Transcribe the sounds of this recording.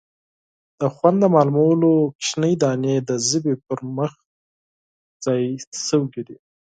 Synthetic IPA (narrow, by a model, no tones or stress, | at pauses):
d̪̥əxwand̪d̪əmɑlumawəlokʃnəjd̪ɑned̪əzəbepəɾməx | z̥ɑjsəwɡid̪i